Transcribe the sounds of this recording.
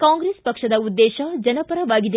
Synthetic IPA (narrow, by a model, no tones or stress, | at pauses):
kaːŋɡɾeːspɐkʂɐd̪ɐud̪ːeːʃɐd͡ʒɐnɐpɐɾɐʋaːɡid̪e